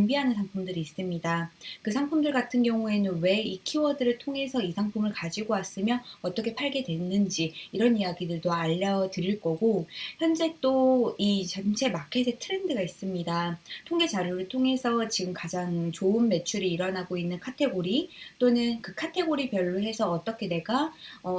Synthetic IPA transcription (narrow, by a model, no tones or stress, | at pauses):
imbiɦanɯnsʰaŋpʰumdɯɾiːs͈ɯmɲidakɯsʰaŋpʰumdɯɭɡatʰɯnɡjʌŋue̞nɯnwe̞ikʰiwʌdɯɾɯɭtʰoŋɦe̞sʰʌisʰaŋpʰumɯɭkad͡ʑiɡoas͈ɯmjʌʌt͈ʌkʰe̞pʰaɭɡe̞dwe̞nːɯnd͡ʑiːɾʌnijaɡidɯɭtoaʎːʌdɯɾiɭk͈ʌɡoçjʌnd͡ʑe̞t͈oit͡ɕʌnt͡ɕʰe̞makʰes̬ʰetʰɯɾe̞ndɯɡais͈ɯmɲidatʰoŋɡe̞d͡ʑaɾjuɾɯɭtʰoŋe̞sʰʌt͡ɕiɡɯmkad͡ʑaŋt͡ɕoɯnme̞t͡ɕʰuɾiiɾʌnaɡoinːɯnkʰatʰe̞ɡoɾit͈onɯnkɯkʰatʰe̞ɡoɾipjʌɭːoɦe̞sʰʌʌt͈ʌkʰe̞ne̞ɡaʌ